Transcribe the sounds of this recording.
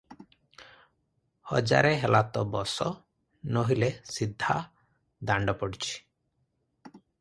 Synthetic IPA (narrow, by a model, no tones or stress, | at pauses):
hɔ̰d͡ʒa̰ɾeɦelat̪ɔbɔsɔ | noɦilesid̪ʱːa | d̪aɳɖɔpɔɽit͡ʃʰi̥